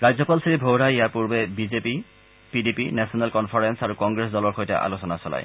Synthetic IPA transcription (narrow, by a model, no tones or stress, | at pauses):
ɹajzɔpalsiɹibʱowɹajjaɹpuɹbɛbizepi | pidipinɛsɔnɛlkɔnpʰaɹɛnsaɹukɔŋɡɹes̬dɔlɔɹxojtɛ̰ʔa̰losɔnasɔla̰j